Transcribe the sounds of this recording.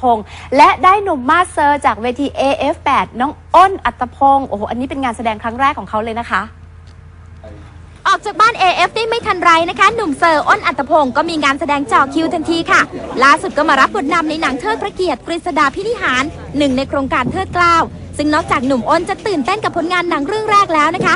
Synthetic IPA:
pʰo˧ŋlɛ˦˥ʔdaː˥˩jnu˨˩mːaː˥˩t̪̚sɤː˧t͡ɕaː˨˩k̚weː˧t̪ʰiː˧ʔeː˧ʔe˦˥fpɛː˨˩t̪̚nɔː˦˥ŋʔo˥˩nʔa˨˩t̪ːa˧pʰo˧ŋʔoː˧˩ʔa˧nːiː˦˥pe˧nŋaː˧nsa˧dɛː˧ŋkʰɾa˦˥ŋɾɛː˥˩kʰːɔː˩˦kʰa˦˥wlɤː˧jna˦˥kʰa˦˥ʔ | ʔɔː˨˩k̚t͡ɕaː˨˩k̚baː˥˩nʔeː˧ʔe˦˥f̚daː˥˩jma˥˩jt̪ʰa˧nɾa˧jna˦˥kʰa˦˥nu˨˩msɤː˧˩ʔo˥˩nʔa˨˩t̪ːɾa˧pʰo˧ŋkɔː˥˩miː˧ŋaː˧nsa˧dɛː˧ŋt͡ɕɔː˨˩kʰi˧wt̪ʰa˧nt̪ʰiː˧kʰa˥˩laː˥˩su˨˩t̪̚kɔː˥˩maː˧ɾa˦˥p̚ːo˨˩˦t̪̚na˧mna˧jna˩˦ŋt̪ʰɤː˥˩t̪̚pʰɾa˧ki˨˩ət̪̚kɾi˨˩t̪̚sa˧daː˧˩pʰi˦˥ni˦˥ɦaː˩˦nː | ɯ˨˩ŋna˧jkʰɾoː˧ŋkaː˧nt̪ʰɤː˥˩t̪̚klaː˥˩w | sɯ˥˩ŋnɔː˥˩k̚t͡ɕaː˨˩k̚nu˨˩mʔo˥˩nt͡ɕa˨˩t̪ɯː˨˩nt̪e˥˩nka˨˩pʰːo˨˩˦nŋaː˧nːa˩˦ŋɾɯ˥˩əŋɾɛː˥˩k̚lɛː˦˥wna˦˥kʰa˦˥

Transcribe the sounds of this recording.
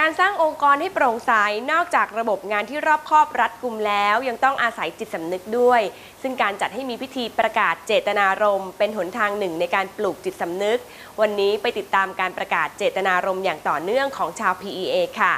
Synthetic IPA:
kaː˧nsaː˥˩ŋʔo˧ŋkɔː˧nha˥˩jpɾoː˧ŋsa˨˦˥jnɔː˥˩k̚t͡ɕaː˨˩k̚ɾa˧bo˨˩p̚ŋaː˧nt̪ʰiː˥˩ɾɔː˥˩p̚kʰɔː˥˩p̚ɾa˦˥t̪̚kʰu˧mlɛː˦˥wja˧ŋt̪ɔ˥˩ŋʔaː˧sa˩˦jt͡ɕi˨˩t̪̚sa˩˦mnɯ˦˥k̚du˥˩əj | sɯ˥˩ŋkaː˧nt͡ɕa˨˩t̪̚ha˥˩jmiː˧pʰi˦˥t̪ʰiː˧pɾa˧kaː˨˩t̪̚t͡ɕeː˨˩t̪ːa˧naː˧ɾo˧mpe˧nɦu˩˦nt̪ʰaː˧ŋnɯ˨˩ŋna˧jkaː˧npluː˨˩k̚t͡ɕi˨˩t̪̚sa˩˦mnɯ˦˥k̚ | wa˧nːiː˦˥pa˧jt̪i˨˩t̪ːaː˧mkaː˧npɾa˧kaː˨˩t̪̚t͡ɕeː˨˩t̪ːa˧naː˧ɾo˧mjaː˨˩ŋt̪ɔː˨˩nɯ˥˩əŋkʰɔː˩˦ŋt͡ɕʰaː˧wpʰiː˧ʔiː˧ʔeː˧kʰa˥˩

